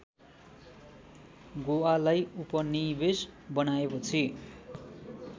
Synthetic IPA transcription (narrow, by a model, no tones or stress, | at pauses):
ɡoalajupʌnibesbʌnaepʌt͡sʰi